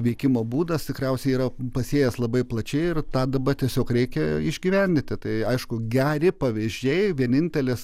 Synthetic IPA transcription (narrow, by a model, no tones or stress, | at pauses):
ʋʲɛɪkʲɪmoːbuːd̪ɐst̪ʲɪkɾʲɛʊsʲɛɪiːɾɐpɐsʲeːjɛslˠɐbɐɪplˠɐt͡ʃʲɛɪɪrt̪ɑːd̪ɐbɐt̪ʲiɛsʲoːkɾʲɛɪkʲɛɪʒʲɡʲiːʋʲɛnʲd̪ʲɪnt̪ʲɪt̪ɐɪɐɪʃkʊɡʲæːɾʲɪpɐʋʲɪʒʲd͡ʒʲɛɪʋʲiɛnʲɪnʲt̪ʲɛlʲɪs